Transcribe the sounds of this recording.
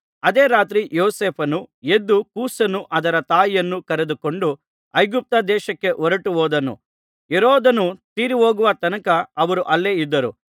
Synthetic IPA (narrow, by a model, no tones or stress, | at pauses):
ɐd̪eːɾaːt̪ɾijoːseːpʰɐnue̞d̪ːukuːsɐnuʔɐd̪ɐɾɐt̪aːjijɐnːukɐɾed̪uko̞ɳɖu | ɐjɡup̚t̪ɐd̪ɛːʃɐkːe̞ʔɔɾɐʈuɦoːd̪ɐnṵ | eɾoːd̪ɐnut̪iːɾiʋoːɡuʋɐt̪ɐnɐkɐːʋɐɾuʔɐlːeːid̪ːɐɾu